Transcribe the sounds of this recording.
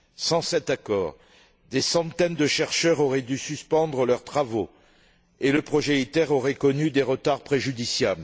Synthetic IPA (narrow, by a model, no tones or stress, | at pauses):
sɑ̃sɛt̪akɔːʁ | d̪esɑ̃t̪ɛnd̪əʃɛʁʃœʁɔʁɛd̪ysyspɑ̃d̪ʁəlœʁt̪χavo | eləpχɔʒɛit̪ɛʁɔʁɛkɔnyd̪eʁət̪aʁpχeʒyd̪isjabl